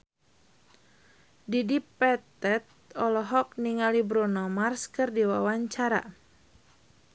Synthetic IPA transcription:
didipɛt̪ɛt̪̚ | ɔlɔɦɔk̚niŋalibɾɔnɔmarskɨrdiwawaɲt͡ʃaɾa̰

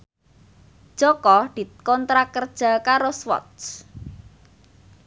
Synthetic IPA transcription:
d̥ʒ̥ɔkɔd̪̥i̤kɔnt̪ɾakərd̥ʒ̥a̤kaɾoswɔ̰t̪s

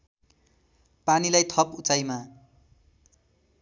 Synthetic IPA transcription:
panilajt̪ʰʌput͡sajma

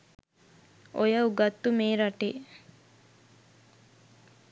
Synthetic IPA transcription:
ʔojɐuɡɐt̪ːumeːɾɐʈeː

